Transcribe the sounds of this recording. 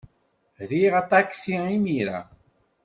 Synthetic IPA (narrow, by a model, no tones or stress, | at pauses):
ðiʁat̪ˤaksiimiɾa̰